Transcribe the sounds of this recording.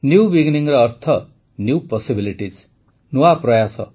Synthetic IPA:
njubiɡniŋɾʌːrt̪ʰʌ | njupʌsibiliʈid͡z | nuwaprʌjasʌ̰

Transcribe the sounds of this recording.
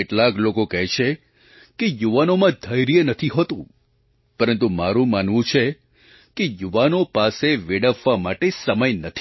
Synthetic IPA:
eʈlaklokokɛɦt͡ʃʰe | kejuʋanomãd̪ʱəjɾijenət̪ʰiɦot̪ũ | pəɾənt̪umaɾũmanʋũt͡ʃʰe | kejuʋanopaseʋeɽəʋːamaʈesəməjnət̪ʰi

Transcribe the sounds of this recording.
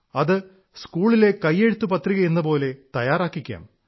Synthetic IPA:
ɐðɨ | skuːɭile̞kɐjːe̞ɻut̪ːupɐt̪riɣɐenːɐpo̞ːle̞t̪ɐjaːɾaːkːikʲːa̰ːm

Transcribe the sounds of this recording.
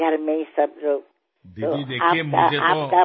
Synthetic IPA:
ɡʱɐɾmẽsəbɾoːk | t̪oaːkaaːka

